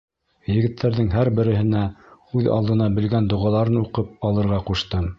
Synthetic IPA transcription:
jɘ̆ɡɘ̆t̪ʰːæɾðɘŋɦæɾbɘ̆ɾɘ̆ɦɘ̆næʉðɑ̰lˠd̪ɤ̆nɑbɘ̆lɡænd̪ŏʁɑlˠɑɾɤnuqɤp̚ɑlˠɤ̆ɾʁɑquʃt̪ɤm

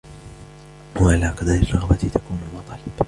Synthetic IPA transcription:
waʔalaːqad̪ɑɾɪrˤːɑɣbat̪ɪt̪ʰakuːnʊlɑt̪ˤɑlɪb

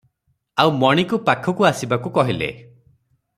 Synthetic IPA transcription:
awmɔɽ̃ikupakʰɔkuasibakukɔɦilḛ

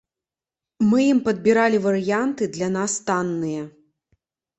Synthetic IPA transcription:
mɨjimpɐd̪̚bʲiɾalʲivɐɾɨjant̪ɨd̪lʲanast̪anːɨjɐ

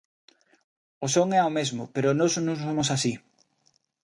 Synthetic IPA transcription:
osoŋɛaomezmʊpeɾonosnusomos̬asi

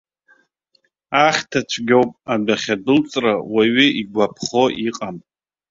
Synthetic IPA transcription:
aχʲtʰat͡ʃʷʰɡʲowpʼadaχʲadɨlt͡sʼrawaɥiiɡʷapʰχoʔiqʼamʼ

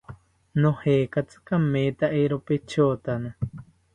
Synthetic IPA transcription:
nõhekat͡sɨ̥kameːt̪aʔeɾopet͡ʃʰoːt̪ana

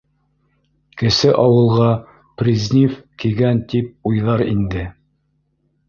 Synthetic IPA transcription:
kɘ̆sɘʔɑwɤ̆lˠʁɑ | prʲizʲnʲifkiɡænt̪ip̚ujðɑɾind̪ɘ

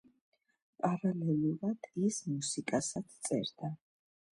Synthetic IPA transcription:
pʼaɾalɛlˠuɾad̪̥ismusikʼasad̪t̪sʼɛ̰ɾd̪a

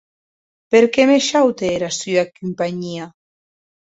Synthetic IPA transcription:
peɾkemeʃawt̪eeɾasyakympaɲia

